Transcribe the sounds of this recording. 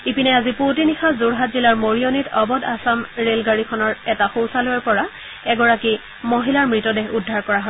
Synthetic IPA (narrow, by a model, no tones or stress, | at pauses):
ipinɛazipot̬inixazuɹɦatzilaɹmoɹionitʰɔbɔdasamɹelɡaɹikʰɔnɔɹɛtaxowsalojɔɹpɔɹa | ɛɡɔɹaki | moɦilaɹmɹitɔdeɦudʱːaɹkɔɹaɦɔ